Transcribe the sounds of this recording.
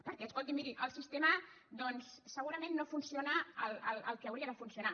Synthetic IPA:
pəɾkɛəskolˠt̪imiɾiʔəlˠsist̪emə | d̪ɔnssːəɣ̞uɾəmẽnːofunsionaələlə̰lˠkeːwɾiəðəfunsiuna

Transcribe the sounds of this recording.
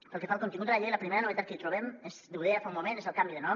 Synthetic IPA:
pəlˠkefalˠkont̪iŋɡut̪alaʎejləpɾimeɾanoβet̪at̪̚kəit̪ɾuβ̞emezd̪euðeafaumːomẽnezalˠkambiðenɔ

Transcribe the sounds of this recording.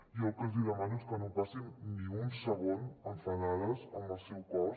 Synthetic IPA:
jɔkəzd̪iðəmanuskənopasinːĩunsəɣonəɱfənaðəzəmbəlˠsɛwkɔ

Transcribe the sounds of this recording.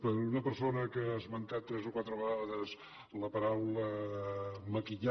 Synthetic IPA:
pəɾunəpəɾsonəkəəzmənt̪at̪ːɾɛzokwat̪ɾəβəɣaðəz | ləpəɾawlə | məkiʎa

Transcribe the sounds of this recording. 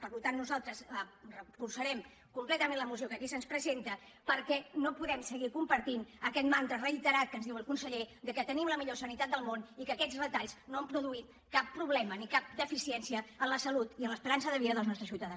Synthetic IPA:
pəɾlut̪anːuzalˠt̪ɾəsərəfursəɾɛm | kumplɛt̪əmẽnləmusjiokəkisənspɾəzent̪ə | pəɾkɛnopuðɛmsəɣikumpəɾt̪inəkɛt̪mant̪ɾərəit̪əɾat̪̚kənzðiwəlˠkunsəʎed̪əkət̪ənimləmiʎosənit̪at̪d̪əlˠmonikəːkɛd͡zrət̪aʎznoəmpɾuðuit̪ | kapːɾuβlɛmənikap̚d̪əfisiɛnsiəənləsəlut̪iənləspəɾansəðəβiðəðəlˠznɔst̪ɾəsjiwt̪əðans

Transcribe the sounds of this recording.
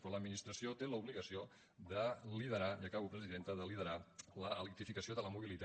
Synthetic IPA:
pɾɔləd̪minist̪ɾəsiot̪eləuβliɣəsio | d̪əliðəɾaiəkaβupɾəziðent̪əðəliðəɾaləːlik̚t̪ifikəsioðələmuβ̞ilit̪

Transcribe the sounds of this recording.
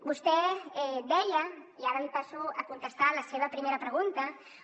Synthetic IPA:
bust̪eɛd̪ɛʎɐiaɾɐmipasuakunt̪est̪alaseβ̞apɾimeɾapɾeɣunt̪ɐ

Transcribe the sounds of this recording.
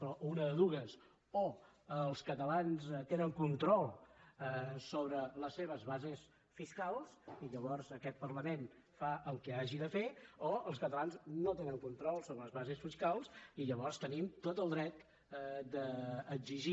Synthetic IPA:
pɾɔʔunəəðuɣəs | o | əlˠskət̪əlanzt̪enəŋkunt̪ɾɔlˠ | soβɾələseβ̞əzβazes | fiskalˠsiʎəβɔrzəkɛt̪̚pərləmenfaʔəlˠkɛaʒiðəfeoəlˠskət̪əlˠanznot̪enəŋkunt̪ɾɔlˠsoβɾələzβazesfiskalˠsiʎəβɔrst̪ənimt̪ot̪əlˠd̪ɾɛt̪ | d̪əːɡziʒi

